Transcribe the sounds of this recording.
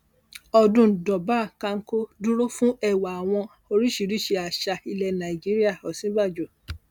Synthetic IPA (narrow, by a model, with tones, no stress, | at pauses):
ɔ˧dũ˦˨dɔ˨ba˦˨kã˧ŋ̩˦ko˦du˦ɾo˦fũ˦ɛ˦˨wa˨a˨w̃ɔ̃˧ | o˧ɾi˦ʃi˨ɾi˦˨ʃe˧a˨ʃa˧i˧lɛ˧nã˨i˨d͡ʒi˦ɾi˦a˦˨ɔ˨sĩ˨˦ba˦˨d͡ʒo˨